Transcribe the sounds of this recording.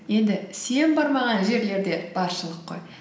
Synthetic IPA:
je̞nd̪ɪse̞nbɑɾmɑʁɑnʒe̞ɾle̞ɾd̪e̞b̥ɑɾʃəlˠəqːo̞̰j

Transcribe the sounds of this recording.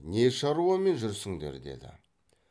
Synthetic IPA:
ne̞ʃɑɾuɑme̞nʒʏɾsɪŋd̪e̞̰ɾd̪e̞̰d̪ɪ̰

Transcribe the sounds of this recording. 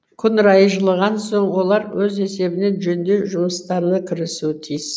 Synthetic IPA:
kʲʰʏnɾɑjəʒəlˠəʁɑnso̞ɴwo̞lˠɑɾwɵze̞se̞bɪne̞nʒɵnd̪e̞ʒʊməst̪ɑɾnəkʲʰɪɾɪsut̪ʰijz

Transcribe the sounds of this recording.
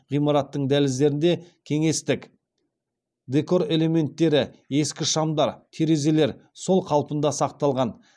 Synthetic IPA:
ʁijmɑɾɑt̪ːəɴd̪ælɪzd̪e̞ɾɪnd̪e̞kʲʰe̞ŋe̞st̪ɪk | d̪e̞ko̞ɾe̞le̞me̞nt̪ːe̞ɾɪe̞skʲɪʃɑmd̪ɑɾt̪ʰeɾe̞ze̞le̞ɾso̞lˠqʰɑlˠpənd̪ɑsɑq̚t̪ɑlˠʁɑn

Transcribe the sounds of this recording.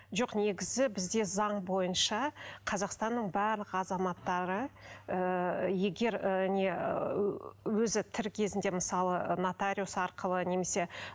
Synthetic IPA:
ʒo̞qne̞ɡʲɪzɪbɪzd̪e̞zɑɴbo̞jənʃɑqʰɑzɑqst̪ɑnːəɴbæɾlˠəqɑzɑmɑt̪ːɑɾəəje̞ɡʲe̞ɾne | wɵzɪt̪ʰɪɾkʲʰe̞zɪnd̪e̞mɪsɑlˠənat̪aɾʲiusɑɾqəlˠəne̞me̞se̞

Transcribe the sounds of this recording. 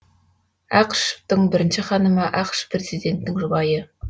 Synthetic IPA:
æqʃft̪əɴbɪɾɪnʃɪχɑnəmɑʔɑqʃprezid̪ʲe̞nt̪nɪŋʒʊbɑjə

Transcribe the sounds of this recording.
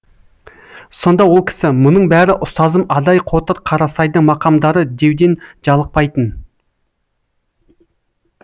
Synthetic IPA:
so̞nd̪ɑwo̞lˠkʲʰɪ̥sɪmʊnəɴbæɾɪʔʊst̪ɑzəmɑd̪ɑjqʰo̞t̪əɾqʰɑɾɑsɑjd̪əɴmɑqɑmd̪ɑɾəd̪e̞wd̪e̞nʒɑlˠəq̚pɑjt̪ən

